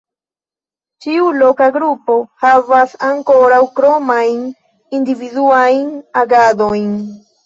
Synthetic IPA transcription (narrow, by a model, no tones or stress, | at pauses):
t͡ʃiulo̞kaɡɾupo̞havasaŋko̞ɾawkɾomajn | individuajnaɡado̞jn